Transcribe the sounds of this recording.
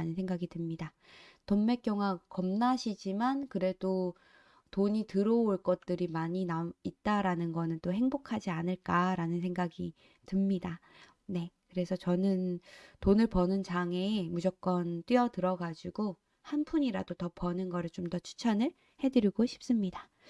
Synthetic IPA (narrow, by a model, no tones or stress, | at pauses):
nɯnsʰeŋɡaɡidɯmɲida | tomːe̞k͈jʌŋwakʌmnaɕʰid͡ʑimankɯɾe̞d̥o | toɲitɯɾʌoɭk͈ʌt̚t͈ɯɾimaɲinait̚t͈aɾanɯnɡʌnɯnt͈ohe̞ŋbokʰad͡ʑianɯɭk͈aɾanɯns̬ʰeŋɡaɡi | tɯmɲida | ne̞kɯɾe̞sʰʌt͡ɕʌnɯntonɯɭpʌnɯnt͡ɕaŋe̞mud͡ʑʌk̚k͈ʌnt͈ɥiʌtɯɾʌɡad͡ʑiɡo | hanpʰuɲiɾadotʌpʌnɯnɡʌɾɯɭt͡ɕomdʌt͡ɕʰu̥t͡ɕʰʌnɯɭ | he̞dɯɾiɡoɕʰi̥p̚s͈ɯmɲida